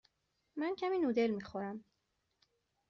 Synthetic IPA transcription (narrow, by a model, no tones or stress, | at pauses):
mæncʰæmiːnuːd̪e̞lmiːxoɾæm